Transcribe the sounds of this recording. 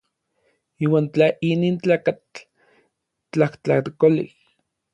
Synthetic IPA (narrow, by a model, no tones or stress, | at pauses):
iːwaːnt͡ɬaʔiniːnt͡ɬaːkat͡ɬ | t͡ɬaht͡ɬaht̪kolḭh